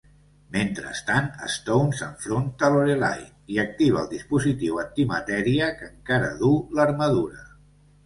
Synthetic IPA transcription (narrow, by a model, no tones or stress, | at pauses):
ment̪ɾə̰st̪anə̰st̪ownsəɱfɾont̪əloɾela̰jniək̚t̪iβəːlˠd̪ispuzit̪iwənt̪imət̪ɛɾiəkəŋkaɾə̰ðuləɾməð̞uɾə